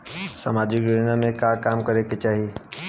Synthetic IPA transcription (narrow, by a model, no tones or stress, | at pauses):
sɐmaːd͡ʒɪkɡenamẽkakaːmkɐɾeket͡ʃaːɦi